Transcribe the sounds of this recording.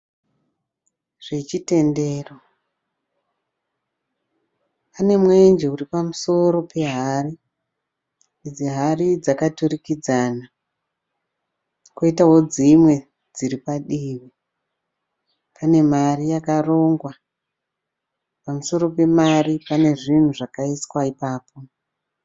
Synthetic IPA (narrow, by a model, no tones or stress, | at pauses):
ʐ̥e̞t͡ʃite̞nde̞ːro | pane̞mwend͡ʒeuripamuso̞ɾo̞pe̞ɦari | id͡ziɦarid͡zakaturikid͡zana | koitaɦo̞d͡zimwe̞ | d͡ziɾipaɗiʋi | pane̞marijakaro̞ːŋɡwa | pamuso̞ɾo̞pe̞maripane̞ʐin̤uʐakaiswaipaːpo̞